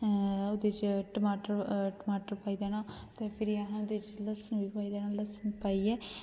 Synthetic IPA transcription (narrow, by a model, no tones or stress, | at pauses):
od̪eːt͡ʃʈəmaːʈəɾʈəmaːʈəɾpaːiːd̪ɛːnãː | t̪eːpʰɪɾiaɦãːod̪eːt͡ʃləsənʋiːpaːiːd̪ɛːnãːləsənpaːiːɛː